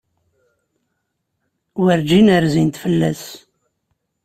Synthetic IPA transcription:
wəɾd͡ʒinəɾzint̪fəlːæs

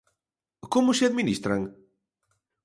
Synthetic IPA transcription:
komʊseaðminist̪ɾaŋ

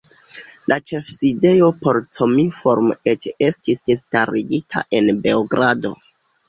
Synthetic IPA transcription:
lat͡ʃe̞fside̞jo̞po̞ɾt͡somifo̞ɾmet͡ʃe̞stisdestaɾiɡitʰa̰ʔe̞nbe̞oɡɾado̞̰

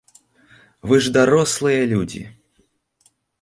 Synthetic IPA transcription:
vɨʐd̪aɾɔslˠɨjɐlʲud͡zʲḭ

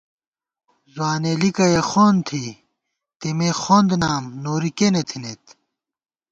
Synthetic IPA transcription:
zwaːnelikɐjexoːnt̪ʰi | t̪emexoːnd̪naːmnoːɾikenet̪ʰinet̪

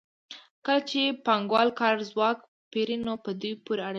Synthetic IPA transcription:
kəlat͡ʃepɑŋɡwɑlkɑɾzwɑk | peɾinopəd̪ujpuɾeaɽe

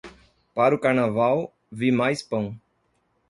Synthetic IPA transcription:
paɾʊkaɾnavaw | vimajspɐ̃w̃

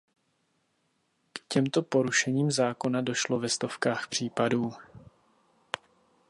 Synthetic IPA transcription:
kcɛmt̪o̞po̞ɾuʃɛɲiːmzaːko̞nado̞ʃlo̞vɛst̪o̞fkaːxpr̝̥iːpaduː

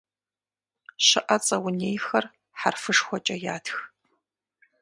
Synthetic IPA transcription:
ʃɨʔɐt͡sʼɐwʊneːjxɐr | ħarfɨʂxʷɔt͡ʃʼɐja̰ːtʰx

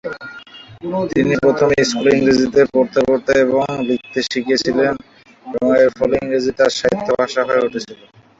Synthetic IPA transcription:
t̪inipɾot̪ʰomskuliŋɾed͡ʑit̪epoɾt̪epoɾt̪eeβoŋbit̪ːeʃiket͡ɕʰilen | eboŋeɾfɔliŋɾed͡ʑit̪aʃaɦit̪ʰːobʱaʃaɦɔeoʈet͡ɕʰilen

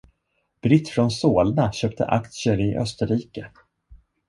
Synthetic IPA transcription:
b̥ɾɪt̪ːfɾɔnsoːlnaɕøːp̚t̪ʰə̰ʔa̰kt̪səɾɪʔœ̰st̪əɾiːkə

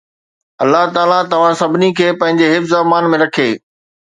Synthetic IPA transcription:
ɐlːaɦt̪aːlat̪ɐʋ̤ãsɐbʱɪnikʰeːpɐ̃ɦɪ̃ɲd͡ʑeɦɪfzamaːnmẽɾɐkʰeː

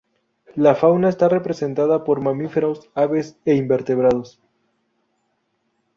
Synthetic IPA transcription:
lafawnaest̪are̞pɾe̞se̞nt̪aðapo̞ɾmamife̞ɾosaβe̞seimbe̞ɾt̪e̞βɾað̞o̞s

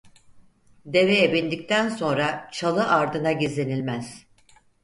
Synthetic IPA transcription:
d̪e̞vɛebind̪ic̚t̪ʰænso̞nɾat͡ʃʰalˠɯʔaɾd̪ɯnaɟizlʲenilʲmæz̥

